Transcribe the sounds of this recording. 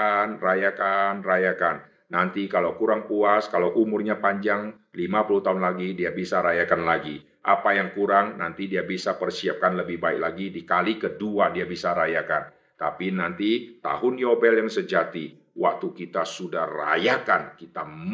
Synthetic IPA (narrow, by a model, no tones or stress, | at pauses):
anrajakanrajakanː | ant̪ikalawkuɾaŋpuaskalawʔumʊrɲapaɲd͡ʒaŋ | limapuluht̪aɦʊnlaɡidiabisaɾajakanlaɡi | ʔapajaŋkuɾaŋnant̪idiabisapərsiap̚kanləbɪhbaɪk̚laɡidikalikəduadiabisaɾajakan | t̪apinant̪it̪a̰ɦʊnjobɛljaŋsəd͡ʒat̪i | wak̚t̪ukit̪asudahra̰jakankit̪am